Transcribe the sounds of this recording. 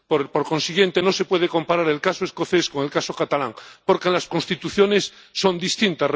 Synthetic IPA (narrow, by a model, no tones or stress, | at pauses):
poɾpoɾko̞nsiɣje̞nt̪eno̞se̞pwe̞ðeko̞mpaɾaɾelkasoeskoθesko̞ŋelkasokat̪ala̰ŋpoɾkenlaskonst̪it̪uθjonesː | ond̪ist̪int̪ar